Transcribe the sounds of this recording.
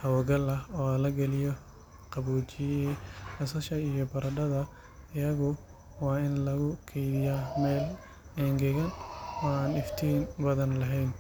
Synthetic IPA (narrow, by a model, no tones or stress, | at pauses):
hɐwɔɡɐlɐɔːɐlɐɡɐlɪjɔ | qɑβuːt͡ʃɪɛhɐsɐʃɐijɔbɐɾɐɖɐðɐ | ɪjɐɣʊ | wɑːɪnlɐɣʊkʰɛjðɪjaːmɛːl | ɛːŋɡɛɣɐnwɔːaːnɪft̪ʰiːnbɐðɐnlɐɦɛjn